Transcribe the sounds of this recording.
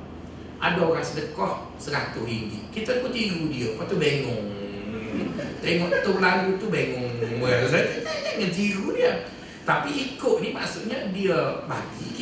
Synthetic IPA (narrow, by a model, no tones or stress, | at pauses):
ʔa̰daoɾaŋsədəkɔh | səɾat̪uɦiŋɡḭʔkit̪ak̪ut̪iɾudiəkɔt̪ubeŋʊŋ | t̪eŋɔʔət̪ulaŋɡut̪ubeŋʊŋasaaŋant̪̬iɾudiə | t̪apiikʊʔ̚nima̰ʔsuʔɲədiəbaɡḭ